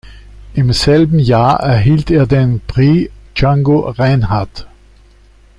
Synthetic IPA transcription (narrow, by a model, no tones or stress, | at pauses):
ʔɪmsɛlbm̩jaːɐʔɛɐɦiːlteːɐdenpʁiːt͡ʃaŋɡoʁaɪnhaɐt